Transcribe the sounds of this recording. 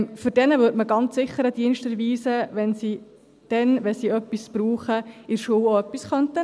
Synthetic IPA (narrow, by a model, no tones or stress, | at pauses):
fyɾdɛnəʋʏːɾtməɡɑnt͡sːɪχːəɾəd̥iənʃtɛɾʋiːsəʋɛnsiː | d̥ɛnʋɛsiːœpːisb̥ɾuːχəɪɾʃuːoœpːisχœntə